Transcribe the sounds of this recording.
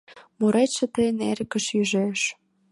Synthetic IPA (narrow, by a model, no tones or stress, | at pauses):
muɾeʃə̆t̪əjənḛɾkə̆ʃjyʒeʃ